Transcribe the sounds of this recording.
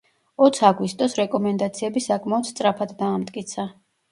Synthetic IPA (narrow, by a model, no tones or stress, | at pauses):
ɔt̪sʰaɡwist̪ʼɔsɾɛkʼɔmɛnd̪at̪sʰiɛbisakʼmaɔt̪st̪sʼɾapʰad̪d̪aːmt̪ʼkʼit̪sʰa